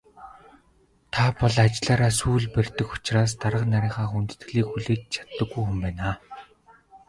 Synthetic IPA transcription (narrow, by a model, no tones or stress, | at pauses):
t̪ʰapɔɮat͡ɕɪɮaːɾaːsuːɮper̥ʲt̪ɘ̆xʊ̥t͡ɕraːs̬t̪aɾə̆qnaɾʲɪːɴχaːxunt̪ɘ̥̆t̪̆ɮiːkxuɮeːt͡ɕt͡ɕʰḁt̪ːə̆ɡːujxumpæːnaː